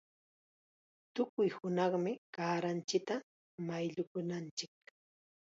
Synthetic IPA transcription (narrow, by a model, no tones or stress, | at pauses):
t̪ʊkʊjhʊnɑχmɪkaːɾant͡ʃɪk̚t̪a | majʎʊkʊnant͡ʃɪk̚